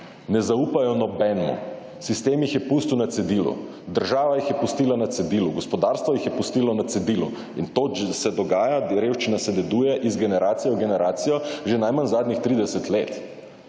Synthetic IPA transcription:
nɛzauːpajɔnɔbɛnmṵ | sist̪eːmjixjɛpuːst̪uwnat̪sɛd̪iːlṵ | d̪əɾʒaːʋajixjɛpust̪iːlanat̪sɛd̪iːluɡɔspɔd̪aːɾst̪vʋɔjixjɛpust̪iːlɔnat̪sɛd̪iːlṵ | int̪osɛd̪ɔɡaːjaɾeːwʃt͡ʃinasɛd̪ɛd̪ujɛʔizɡɛnɛɾaːt̪sijɛɡɛnɛɾʔaːt̪sijɔʒenajmanzaːd̪nixt̪ɾiːd̪ɛsɛt̪leːt̪

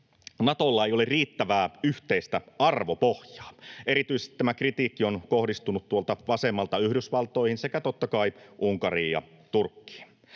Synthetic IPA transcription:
nɑt̪olːɑejo̞lerriːt̪ːæʋæːyht̪eist̪æɑrʋopohjɑ̥ːe̞ɾit̪yisest̪i̥t̪æmækrit̪iːkːio̞nko̞hdist̪unut̪t̪uolt̪ɑʋɑse̞mːɑlt̪ɑyhdysʋɑlt̪ˑo̞ihinse̞kæt̪ot̪ːɑkɑiʔuŋkɑriːjɑ̰ | t̪urkːi̥ːn

